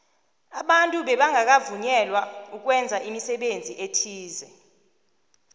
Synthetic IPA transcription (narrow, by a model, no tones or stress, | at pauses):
aɓantʼuɓɛɓaŋak̬avuɲɛlwauk̬wɛnd͡zʱaʔimisɛɓend͡zʱiʔetʰiːzɛ